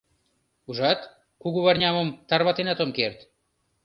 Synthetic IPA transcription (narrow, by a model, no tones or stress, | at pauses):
uʒɑt̪ | kuɣuβarɲʲɑmomt̪ɑrβɑt̪enɑt̪omkerɾt̪